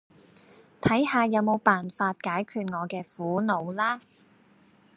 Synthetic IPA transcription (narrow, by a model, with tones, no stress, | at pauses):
t̪ʰɐ˨˥jhaː˧jɐ˨˧wmo˨˧wpaː˨˩nfaː˧t̚kaː˨˥jkʰyː˧t̚ŋɔː˨˧kɛː˧fuː˨˥no˨˧wlaː˥